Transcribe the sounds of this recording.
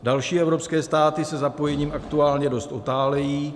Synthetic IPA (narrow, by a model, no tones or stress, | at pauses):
dalʃiːɛvɾo̞pskɛːst̪aːt̪ɪsɛzapo̞jɛɲiːmakt̪uaːlɲɛdo̞st̪ot̪aːlɛjiː